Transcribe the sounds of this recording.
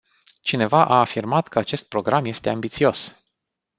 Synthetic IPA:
t͡ʃine̞vaʔaːfirmat̪kəat͡ʃe̞st̪̚pɾo̞ɡɾamje̞st̪e̞ambit̪sio̞s

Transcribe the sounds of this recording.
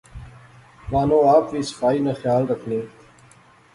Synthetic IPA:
maːnõːaːpʋiːsə̥faːiːnaxjaːlɾəkʰnĩː

